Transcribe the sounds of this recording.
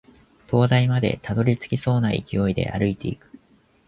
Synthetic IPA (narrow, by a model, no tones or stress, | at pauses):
t̪o̞ːd̪aimad̪e̞̰t̪ad̪o̞ɾʲit͡sɨ̥kʲiso̞ːnaḭkʲio̞id̪e̞̰ʔa̰ɾɯ̟it̪e̞ikɯ̟̥